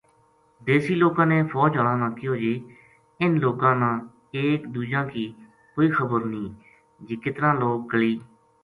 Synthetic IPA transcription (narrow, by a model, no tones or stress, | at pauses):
d̪eːsiːloːkãːneːpʰɔːt͡ʃəɽãːnãːkioːd͡ʒeː | ɪnloːkãːnãː | eːkd̪uːd͡ʒãːkiː | koːiːkʰəbəɾnĩː | d͡ʒiːkɪt̪ɾãːloːk̚ɡəɭiː